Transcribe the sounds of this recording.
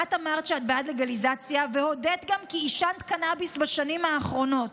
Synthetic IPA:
atamaʁtt͡ʃeat̚beadleɡalizat͡sjaveho̞det̪ɡamkiːʃant̪kanabisbaʃanimhaːχʁo̞no̞t̚

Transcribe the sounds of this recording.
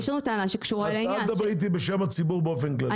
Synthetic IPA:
ʃenut̪anaʃekʃuualaad̪abʁit̪̬ibeʃemat͡sibuʁbeofenkla

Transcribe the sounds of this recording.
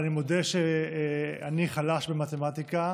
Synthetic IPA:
nimod̪eʃe | a̰niχalaʃbe̞mat̪emat̪ika

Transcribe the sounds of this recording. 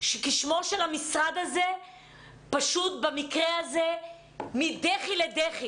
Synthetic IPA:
ʃekiʃmo̞ʃelamisʁad̪aze̞ | paʃut̪̚bemikʁehaze̞ | mid̪eχiled̪eχi

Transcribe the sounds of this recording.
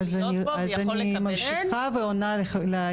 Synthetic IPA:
zani | azani | mamʃiχaveonalela

